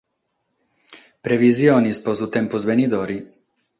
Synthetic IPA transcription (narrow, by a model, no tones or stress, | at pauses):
pɾɛviziɔnispɔzut̪ɛmpɔzbɛnid̪ɔɾi